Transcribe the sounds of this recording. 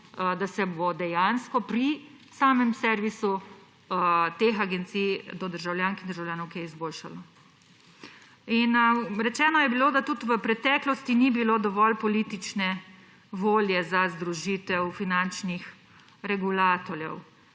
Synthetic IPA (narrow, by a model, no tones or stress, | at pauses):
d̪asɛbod̪ɛjanskɔpɾi | saːmɛmsɛɾʋisu | t̪exaɡɛnt̪siːjd̪ɔd̪əɾʒawljaːnskid̪əɾʒawljaːnɔwkijɛizboːlʃalɔ | inɾɛt͡ʃɛːnɔjɛbilod̪at̪ut̪ʋəpɾɛt̪ɛklɔst̪inibilod̪ɔʋɔlpɔlit̪it͡ʃnɛ | ʋoːljɛzazd̪ɾuʒiːt̪ɛwfinant͡ʃnix | ɾɛɡulaːt̪ɔɾjɛ̰w